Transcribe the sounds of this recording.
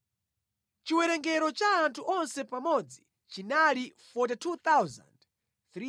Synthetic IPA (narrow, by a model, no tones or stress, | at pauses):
t͡ʃiwɛɾɛŋɡɛɾɔt͡ʃaːntʰuʔɔnsɛpamɔd͡zi | t͡ʃinalifɔt̬itʰut̪awza̰nd | t̪ɾi